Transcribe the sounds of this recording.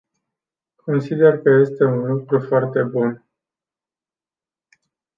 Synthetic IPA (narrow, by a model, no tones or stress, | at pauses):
kʰo̞nsid̪e̞rkəje̞st̪e̞unlukɾufoart̪e̞bun